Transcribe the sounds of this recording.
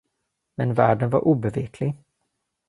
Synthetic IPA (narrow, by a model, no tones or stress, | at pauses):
mɛnvæːɖənvaɾʔuːbɛveːkʰlɪɡ